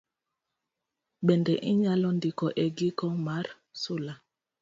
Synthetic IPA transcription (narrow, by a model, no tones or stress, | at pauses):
ɓɛndɛʔiɲalɔndikɔʔɛɡikɔmaɾ | sola